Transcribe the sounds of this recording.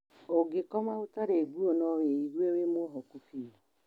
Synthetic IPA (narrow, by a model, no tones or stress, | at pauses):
oɡekɔmaotaɾeɡuonɔweiɾwewemoɦɔkufi